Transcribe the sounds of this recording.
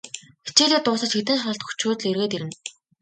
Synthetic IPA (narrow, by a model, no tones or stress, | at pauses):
xi̥t͡ɕiːɮʲiːk̚t̪ʊːsə̆t͡ɕxet̪ɘ̆nʃə̆ɬt̪xu̥t͡ɕʰʊːt̪̆ɮerɣeːt̪eɾɘ̆n